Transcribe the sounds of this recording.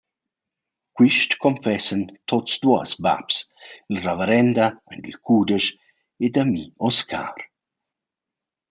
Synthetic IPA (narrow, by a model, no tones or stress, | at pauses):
kwiʃtkʰɔmfɛsənt̪ʰotsd̪uəsba̰psilravəɾɛnd̪aa̰ndilkʰuːd̪əʃ | ed̪amiɔskʰa̰ːɾ